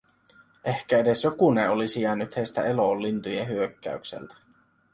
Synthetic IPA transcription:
ʔehkæede̞sjokuneolisijɑːnːyt̪hejst̪æeloːlːint̪ujeɦyøkːæ̰yksḛlt̪æ̥

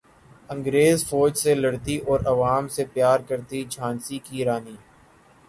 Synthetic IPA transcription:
ə̃ŋɡɾeːzfɔːd͡ʒselɐɽt̪iʔɔːɾɐʋaːmsepjaːɾkəɾt̪id͡ʒʱãːnsikiɾaːniː

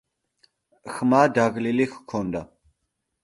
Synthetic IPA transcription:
xmaːd̪aɣlilixkʰɔnd̪a

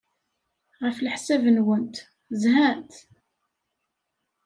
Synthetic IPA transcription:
ʁəflħsævənwənt̪ | zɦæt̪

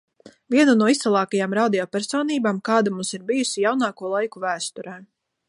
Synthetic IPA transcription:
vʲiɛnunuɔist̪ɛlˠɑːkajaːmɾaːd̪ijɔːpʲɛɾsɔːniːbaːmkɑːd̪amumsiɾbijusijawnɑːkuɔlˠajkuvæːst̪ɔɾɛː

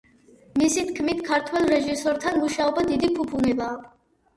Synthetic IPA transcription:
misit̪ʰkʰmit̪kʰaɾt̪ʰwɛlˠɾɛʒisɔɾt̪ʰanmuʃaɔbad̪id̪ipʰupʰunɛbaː

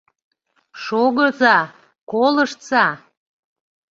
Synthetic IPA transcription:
ʃoɣəzɑ | koləʃt͡sɑ

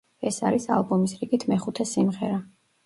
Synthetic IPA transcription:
ɛsaɾisa̰lˠbɔmisɾiɡit̪ʰmɛχut̪ʰɛsimʁɛ̰ɾa

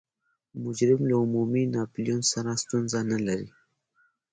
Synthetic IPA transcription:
mʊd͡ʒɾɪmlaʊmuminɑpljonsaɾast̪unzanalaɾi

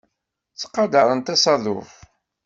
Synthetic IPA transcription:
t͡sːə̥qːɑd̪ɑɾˤənt̪ɑsɑðˤʊ̰f

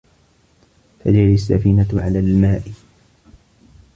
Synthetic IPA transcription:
t̪ad͡ʒɪlas̬ːa̰fiːnaʕa̰laːlmaːʔɪ

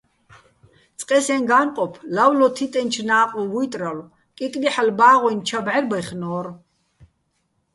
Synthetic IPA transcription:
t͡sʼqʼɛsɛnɡaːnqʼɔpʰlawlɔt̪ʰit̪ʼɛnt͡ʃʰnaːqʼuvujt̪ʼɾal | kʼit̪ʼliħalbaːʁɔnt͡ʃʰabʕɛɾbaχnɔːɾ

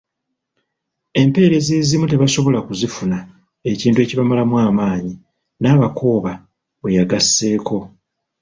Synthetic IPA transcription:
e̞mpe̞ːɾe̞zezimute̞βaso̞βo̞lakuzifuna | e̞ciːntue̞ciβamalamwaːmaːɲi | naːβakʰo̞ːβa | βwe̞jaɡasːe̞ːko̞

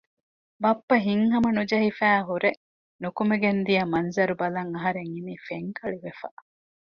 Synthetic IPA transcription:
bɐpːɐɦiŋɦɐmɐnud͡ʒɐɦifæːɦuɾe | nukumeɡend̪ijɐmɐnzɐɾubɐlɐŋɐɦɐɾeŋinifeŋkɐɭiʋefɐ̰

